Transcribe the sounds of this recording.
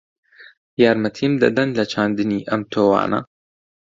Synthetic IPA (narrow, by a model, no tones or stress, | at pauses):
jaːɾmɐt̪ʰiːmd̪ɐ̰d̪ɐnlɐt͡ʃʰaːnd̪ɨniːʔɐmt̪ʰoːwa̰ːnʔɐ̰